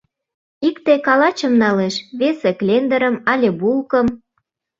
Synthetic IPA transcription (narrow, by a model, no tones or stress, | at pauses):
ikt̪ekɑlɑt͡ɕə̆mnɑleʃβeseklʲend̪ə̆ɾə̆mɑlʲebulkə̆m